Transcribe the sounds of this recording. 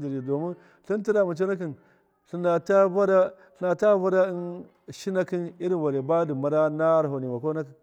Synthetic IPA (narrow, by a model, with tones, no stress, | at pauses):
d͡ʒi˨ɾi˨do˨mi˦ | ɬi˦n˦ti˦da˨ma˨t͡ʃ̬o˦na˦k̬i˨n | ɬi˨nda˨ta˦va˦ɾa˦ | ɬna˨ta˦va˦ɾa˦i˦n | ʃi˦na˦ki˦ni˦ɾi˦nwa˨ɾe˨ba˦di˨ma˨ɾa˦na˦ɾɦo˨ni˨ma˨ko˦na˦k